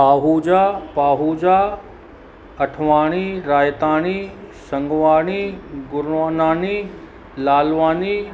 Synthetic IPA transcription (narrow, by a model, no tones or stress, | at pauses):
aːɦud͡ʑaːpaːɦud͡ʑaː | ɐʈʰʋaːɽ̃iɾaːjt̪aːɽ̃isɐ̃ŋɡʋaːɽ̃iɡʊɾʋaːnaːni | laːlʋaːni